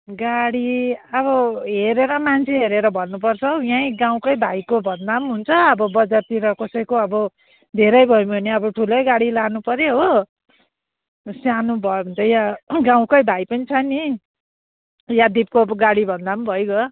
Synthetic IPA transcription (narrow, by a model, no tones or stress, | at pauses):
ɡaɽiʌbʌɦeɾeɾʌmant͡sʰeɦeɾeɾʌbʱʌnːupʌrt͡sʰʌjãjɡãw̃kʌjbʱajkobʱʌnd̪amɦunt͡sʰʌʌbʌbʌd͡zart̪iɾʌkʌsʌjkoʌbʌ | d̪ʱeɾʌjbʱʌjumʱʌneʌbʌʈʰulʌjɡaɽilanupʌɾeɦo | sjanubʱʌjobunt͡sʰʌjãɡãw̃kʌjbʱajpʌnit͡sʰʌni | jad̪ip̚koʌbʌɡaɽibʱʌnd̪ambʱʌjɡʌ